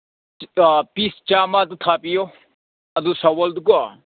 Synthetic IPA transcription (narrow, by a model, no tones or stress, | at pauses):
pist͡ʃaːmad̪ut̪ʰaːpijo | ɐd̪usɐwɐld̪ukua